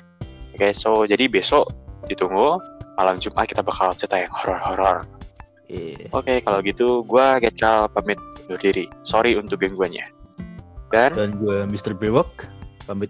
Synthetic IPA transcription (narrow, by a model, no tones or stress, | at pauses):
akasod͡ʒadibesɔʔdit̪uŋumalamd͡ʒumʔa̰kit̪abakalsət̪ajaŋhɔɾɔrhɔɾɔ̰r | ʔokekaloɡit̪uɡuaɡaat̪̚kalpamɪt̪̚nʊrdiɾisoɾiunt̪ʊk̚ɡanɡuaɲa̰ | dandanɡuamist̪ərbewək̚pamɪt̪̚